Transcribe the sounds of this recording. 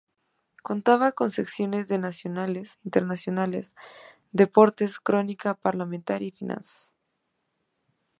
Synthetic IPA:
ko̞nt̪aβako̞nseksjo̞ne̞zðenasjo̞nale̞sint̪eɾnasjo̞nale̞̰s | d̪e̞po̞ɾt̪eskɾo̞nikapaɾlamẽnt̪aɾifinʔa̰nsḁs

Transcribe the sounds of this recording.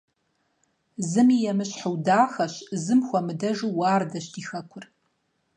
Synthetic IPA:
zɨmijɛmɨɕħʊwdaːxɐɕzɨmxʷɐmɨdɐʒɨwaːrdɐɕtixɐkʷʰʊr

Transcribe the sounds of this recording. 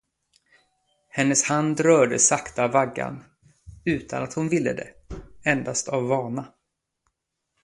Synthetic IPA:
hɛnːəshand̪ɾœːɖəsakt̪avaɡːa̰n | ʉ̟ːt̪ʰanat̪hʊnvɪlːəd̪ɛ̰ | ɛnd̪ast̪avːɑːɳa

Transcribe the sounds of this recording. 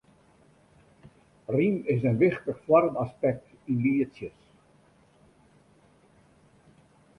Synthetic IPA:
rinɪsənʋɪxtəxfwɔrmaspɛk̚tinliət͡sjəs

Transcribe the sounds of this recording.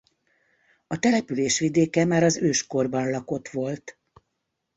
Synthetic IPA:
ɒt̪ɛlɛpyleːʃʋid̪eːkɛmaːɾɒzøːʃko̞rbɒnlɒko̞t̪ʋo̞lt̪

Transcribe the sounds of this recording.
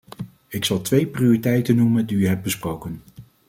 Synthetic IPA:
ɪksɑlˠtʋejprioritɛjtənːuməndiyɦɛp̚bəsprowkən

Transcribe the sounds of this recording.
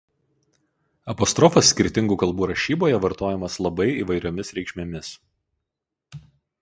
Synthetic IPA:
ɐpɔst̪ɾɔfɐsːʲkʲɪɾʲt̪ʲɪŋɡuːkɐlˠbuːɾɐʃʲiːboːjɛʋɐɾt̪oːjɛmɐslˠɐbɐɪiːʋɐɪɾʲomʲɪsɾʲɛɪkʃʲmʲemʲɪs

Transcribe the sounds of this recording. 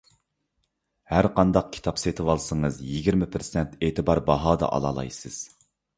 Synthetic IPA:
hæɾqʰɑnd̪ɑq̚kʲʰi̥t̪ʰɑpset̪ʰɨwɑlˠsəŋɨzjiɡʲiɾmɪpʰɪɾsɛnt̪et̪ʰɨbɑɾbɑɦɑːd̪ɑ̰ʔɑ̰lˠɑ̰lˠɑ̰jsɨz̥

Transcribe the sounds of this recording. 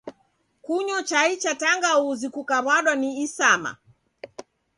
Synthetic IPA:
kuɲɔt͡ʃait͡ʃataŋɡauzikukaɾwaɗwaniisama̰

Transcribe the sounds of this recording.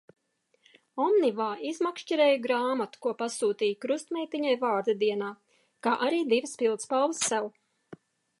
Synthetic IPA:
ɔmnivaːizmakʃt͡ʃiɾɛːjuɡɾaːmat̪u̥kuɔpasuːt̪iːjkɾust̪mʲɛjt̪iɲɛjvaːɾd̪ad̪iɛnaː | kaːʔaɾiːd̪ivəspilˠd̪spalˠvəsːɛw

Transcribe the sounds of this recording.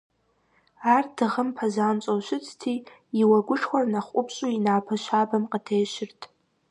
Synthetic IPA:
aːrdɨʁəmpʰɐzaːmt͡ɕʼoʃʷɪt͡sʰtʰiː | wɐɡʷʊʈ͡ʂxʷɐrnaχʷʼʊpʰɕʼuinaːpʰɐʃʷaːbɐmqətʰeːʃɪrtʰ

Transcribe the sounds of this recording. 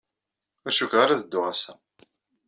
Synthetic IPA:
æʃukʁaɾæðəd̪ːʊʁasæ

